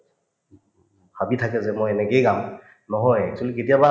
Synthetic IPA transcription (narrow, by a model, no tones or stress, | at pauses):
habitʰakɛzɛmɔjɛnɛkejɡam | nɔɦɔjɛ̰k̚sʰaliketijaba